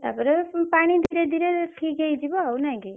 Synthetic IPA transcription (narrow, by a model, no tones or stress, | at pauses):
t̪a̰pəɾpaɽ̃id̪ʱiɾed̪ʱiɾeʈʰik̚ɡəjd͡ʒibɔawnaĩɡi